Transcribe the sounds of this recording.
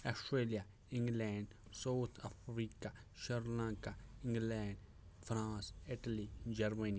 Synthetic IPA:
ɐsʈɾeːlija | ɪ̃ŋɡlɛːɳɖ | sawt̪ʰafʰɾiːkaʃəɾlãːŋkaɪ̃ŋɡlɛːɳɖ | fɾãːsɪʈəlid͡ʒɐɾmenij

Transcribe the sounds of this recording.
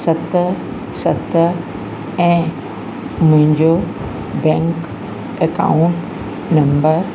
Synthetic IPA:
sɐt̪ | sɐt̪ | ɛ̃ː | mʊ̃ɦɪ̃ɲd͡ʑo | bɛ̃ːŋk | ekã̰uɳʈ | nɐmbəɾ

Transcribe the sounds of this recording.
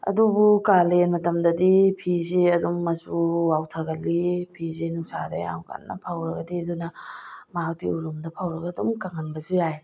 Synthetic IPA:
ɐ̰dubukalenmɐtɐmdɐdipʰiziɐdumːɐsuwawtʰɐɡɐlːipʰizenusadɐ̰ja̰mka̰nːɐ̰pʰawɾɐɡɐdiɐdunɐmak̚diuɾumdɐpʰawɾɐɡɐdumkaŋɐnbɐsujaj

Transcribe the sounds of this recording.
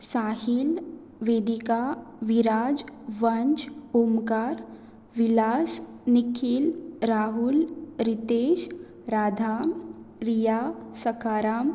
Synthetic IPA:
saːhil | ʋeːd̪ikaʋiɾaːd͡ʒʋɐɲt͡ʃomkaɾ | ʋilaːs | nikʰilɾaːɦulɾit̪eːʃ | ɾaːd̪ʱaːmɾijasɐkaːɾaːm

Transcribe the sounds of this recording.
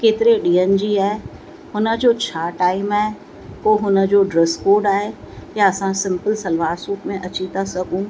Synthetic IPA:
keːt̪ɪɾeɗiːənɪ̆d͡ʑiːaːɦe | hʊnə̆d͡ʑoːt͡ɕʰaːʈaːɪmaːe | koːɦʊnə̆d͡ʑoːɖɾɛskoːɾɖaːɦe | jaɐsãsɪ̃mpəlsɐlʋaːsuːkmẽʔɐt͡ɕit̪asɐɡʱũː

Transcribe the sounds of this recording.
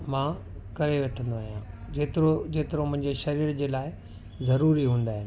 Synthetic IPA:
mãː | kɐɾeʋeːʈʰə̃nd̪oaːɦijãd͡ʑeːt̪ɪɾod͡ʑeːt̪ɪɾomʊ̃ɦɪ̃ɲd͡ʑeʃɐɾiːɾd͡ʑeːlaːɪ | zɐɾuːɾiɦũːnd̪aːɦɪnɪ̆

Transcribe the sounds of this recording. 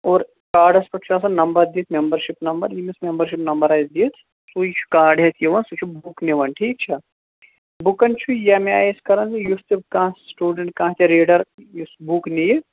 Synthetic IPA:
oːɾ | kaːɾɖɐspɐʈt͡ʃʰuaːs̬ɐnɐmbɐɾd̪iːt̪ʰmembɐɾʃipnɐmbɐ̰ɾjimismembɐɾʃ̬ipnɐmbɐɾaːjsd̪iːt̪ʰ | sut͡ʃʰu̥kaːɾɖɦɐt̪ʰjeʋɐnsut͡ʃʰubukniʋɐnʈʰiːk̚t͡ʃʰa | bukɐnt͡ʃʰujɐmẽa̰ːjeskɐɾɐnzijust̪ibkãːsʈuːɖeɳʈ̚kãːt̪eɾeːɖɐɾjusbuknije

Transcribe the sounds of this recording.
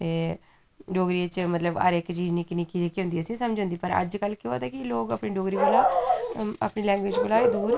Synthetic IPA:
t̪eː | ɖoːɡɾiːət͡ʃmət̪ləbə̰ɾɪkt͡ʃiːzniːkɪniːkid͡ʒekiɦʊ̃nd̪iːəsĩːsəmd͡ʒõnd̪iːpəɾə̰d͡ʒkəlːkeoːd̪aːkɪloːɡəpɳiːɖoːɡɾiːbəlaː | ə̰pniːlɛ̃ːŋɡwɪd͡ʒbʊlaːeːd̪uːɾ

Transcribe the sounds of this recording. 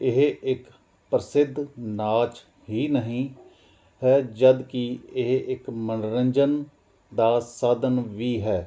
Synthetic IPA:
ɪɦɪk | pɾəsɪd̪ʱːnaːt͡ʃ | ɦiːnəɦĩ | ɦɛːd͡ʒəd̪kiɪɦɪkmənɾəɲd͡ʒən | d̪aːsaːd̪ənʋiːɦɛː

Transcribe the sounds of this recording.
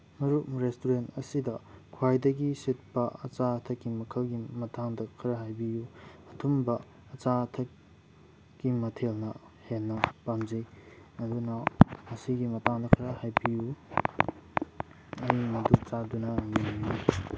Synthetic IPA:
mɐɾuɾestuɾentɐsidɐkʰwajdɐɡisit̚pɐɐ̰t͡ʃatʰɐkːimɐkʰɐlɡimɐtʰaŋdɐkʰɐɾɐɦajbijuɐtʰumbɐ | ɐt͡ʃatʰɐ | ɡimɐtʰelnɐ | henːɐpamzijɐdunɐɐsiɡimɐtaŋdɐkʰɐɾɐhajbiju | ɐjimɐduk̚t͡ʃadunɐminju

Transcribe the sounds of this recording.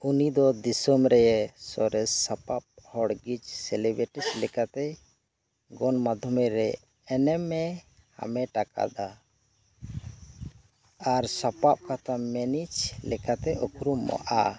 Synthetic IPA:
unid̪ɔd̪isɔmɾɛjɛsɔɾɛsapap̚hɔɽɡid͡ʒsɛlɛbɾɛʈɛslɛkat̪ɛ | ɡɔnmad̪ʱɔmɛɾɛː | nɛmːɛ | ha̰mɛʈaka̰d̪a | aɾsapap̚kat̪ʰamɛnit͡ʃlɛkat̪ɛʔɔkɾumːɔ̰ʔa

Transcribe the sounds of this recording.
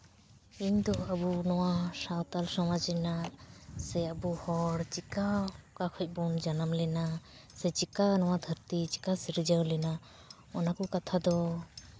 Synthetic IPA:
iɲd̪ɔəbunɔwasawt̪alsɔmad͡ʒɛnasɛəbuhɔɽt͡ʃikakakʰɔc̚ˀbɔnd͡ʒanamlɛna | sɛt͡ʃikanɔwad̪ʱəɾt̪it͡ʃi̥kasiɾd͡ʒawlɛna | ɔnakɔkat̪ʰad̪ɔ

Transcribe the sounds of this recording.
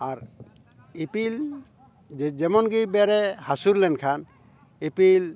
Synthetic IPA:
aɾ | ipil | d͡ʒɛmɔnɡibɛɾɛhasuɾlɛnkʰan | ipil

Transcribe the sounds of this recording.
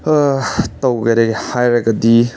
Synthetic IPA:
tɐwɡɐɾeɡehajɾɐɡɐdi

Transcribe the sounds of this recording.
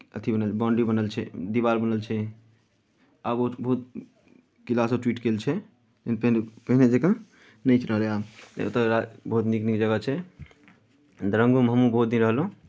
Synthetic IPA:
ət̪ʰibənəlʰbɔ̃ɳɖibənəlt͡ʃʰɛd̪ibaɾbənəlt͡ʃʰɛ | abobəɦut̪̚ | kilasəʈwiʈkelt͡ʃʰɛ | t̪enpənpəɦined͡ʒekã | nəjt͡ʃʰɾəɦɾeao̰t̪əɾabəɦut̪niknikd͡ʒəɡət͡ʃʰɛ | d̪ɾə̃ŋɡumɦəmũbəɦut̪̚d̪inɾəɦəlɦũ

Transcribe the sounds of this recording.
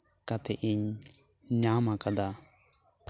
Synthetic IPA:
kat̪ɛʔiɲ | ɲamakad̪a

